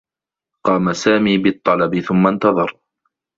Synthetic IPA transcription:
qɑːmasaːmiːbɪt̪ˤːɑlɑbɪθʊmːant̪ɑðˤɑɾˤ

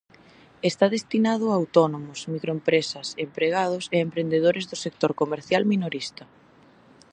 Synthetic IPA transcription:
est̪aðest̪inað̞ʊaːwt̪ɔnomʊsmikɾoempɾesɐsempɾeɣ̞að̞ʊseempɾend̪eð̞oɾezðʊsek̚t̪oɾkomeɾθjalminoɾist̪ɐ

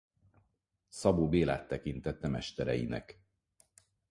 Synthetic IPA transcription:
sɒboːbeːla̰ːt̪ːɛkint̪ɛt̪ːɛmɛʃt̪ɛɾɛjḭnɛ̰k

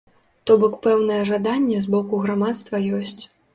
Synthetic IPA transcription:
t̪ɔbɔkpɛwnɐjɛʐad̪anʲːɛzbɔkuɣɾamat̪st̪vɐjɔsʲt͡sʲ

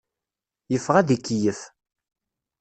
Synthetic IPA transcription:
jəfːʁæðikːjəf

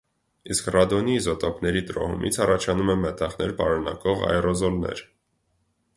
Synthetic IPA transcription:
iskrɑd̪ɔnizɔt̪ɔpnɛɾit̪ɾɔ̰hṵmʔḭt͡sʰɑrɑt͡ʃʰɑnumɛmɛt̪ɑʁnɛɾpɑɾunɑ̰kɔʁɑ̰ɛrɔzɔlnɛ̰ɾ

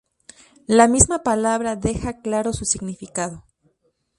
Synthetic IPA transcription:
lamizmapalaβɾaðe̞xaklaɾo̞susiɣnifikaðo̞

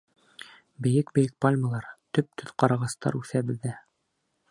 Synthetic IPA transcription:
bɘ̆jɘkbɘ̆jɘk̚palʲməlˠɑɾt̪ɵp̚t̪ʰɵ̆ðqɑɾɑʁɑst̪ɑ̰ɾʉθæbɘ̆ðːæ

